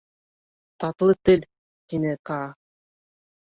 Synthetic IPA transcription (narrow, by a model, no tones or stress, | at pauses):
t̪ɑt̪lˠɤt̪ɘl | t̪inɘkɑ